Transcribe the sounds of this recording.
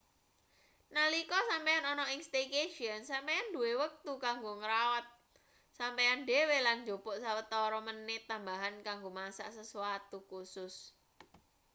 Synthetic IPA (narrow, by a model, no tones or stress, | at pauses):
nəlikɔsampejanɔnɔiŋst̪ekeʃiənsampejandṳwewək̚t̪ukaŋɡoŋəɾawat̪̚ | sampejanɖeweland͡ʒo̤b̥ɔʔsawət̪ɔɾɔmənːɪt̪ambaɦankaŋɡomasa̰ʔsəsuwat̪ukusʊs